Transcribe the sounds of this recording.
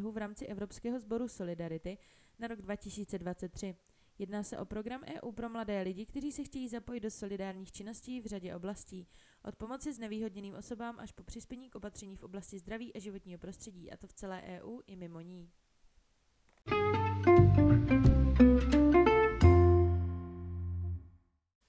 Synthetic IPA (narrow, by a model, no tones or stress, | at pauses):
ɦuvɾaːmt͡sɪʔɛvɾo̞pskɛːɦo̞zbo̞ɾuso̞lɪdaɾɪt̪ɪ | naɾo̞ɡdvacɪsiːt͡sɛdvatt͡sɛt̪ːr̝̥ɪ | jɛdnaːsɛ̰ʔo̞pɾo̞ɡɾamʔɛ̰ːʔuːpɾo̞mladɛːlɪɟɪkt̪ɛriːsɛxcɛjiːzapo̞jɪd̪̚do̞so̞lɪdaːɾɲiːxt͡ʃɪno̞sciːvr̝aɟɛʔo̞blasciː | ʔot̪̚po̞mo̞t͡sɪznɛviːɦo̞dɲɛniːmʔo̞so̞baːmʔa̰ʃpopr̝̥ɪspjɛɲiːkʔo̞pat̪r̝̥ɛɲiːfʔo̞blascɪzd̪ɾaviːʔaʒɪvo̞t̪ɲiːɦo̞pɾo̞st̪r̥ɛɟiːʔa̰t̪o̞ft͡sɛlɛːʔɛːʔuːʔɪmɪmo̞ɲiː